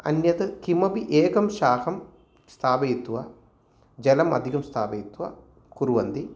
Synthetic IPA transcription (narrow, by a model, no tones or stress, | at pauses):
ɐ̰njɐt̪ɐkimɐbiʔeːkɐmʃaːhɐm | st̪ʰaːʋɐjit̪ːuʋa̰ | d͡ʒɐlɐmɐ̰d̪ʱikɐmst̪ʰaːʋɐjit̪ːuʋa̰ | kuɾuʋɐnd̪i